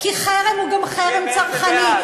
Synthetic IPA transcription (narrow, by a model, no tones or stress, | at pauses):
kiχeʁemuɡamχeʁemt͡saʁχani